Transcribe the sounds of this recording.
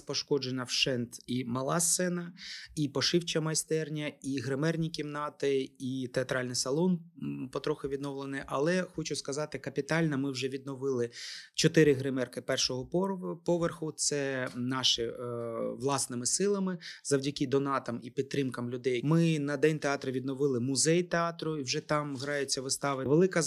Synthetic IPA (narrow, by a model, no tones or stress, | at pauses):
pɔʃkɔd͡ʒenʲɐwʃɛnt̪imɐlˠɑsɛnɐipɔʃɪwt͡ʃɐmɐjst̪ɛrnʲɐiɦɾɪmɛrnʲikʲimnɑt̪ɪit̪eɐt̪ɾɑlʲnɪjsɐlˠɔnpɔt̪ɾɔxɪʋʲid̪nɔwlˠenɪʔɐlˠɛxɔt͡ʃʊskɐzɑt̪ɪkɐpʲit̪ɑlʲnɐmɪwʒɛʋʲid̪̚nɔʋɪlˠɪt͡ʃɔt̪ɪɾɪɦɾɪmɛrkɪpɛrʃɔɦɔpɔʋerxʊt̪sɛnɑʃɪ | ʋlˠɑsnɪmɪsɪlˠɐmɪzɐwdʲɐkɪd̪ɔnɑt̪ɐmipʲid̪t̪̚t̪ːɾɪmkɐmlʲʊd̪ɛjmɪnɐd̪ɛnʲt̪eɑt̪ɾɐʋʲid̪nɔʋɪlˠɪmʊzɛjt̪eɑt̪ɾʊiwʒɛt̪ɑmɦɾɑjɪt͡sʲːɐʋɪst̪ɑʋɪʋelˠɪkɐ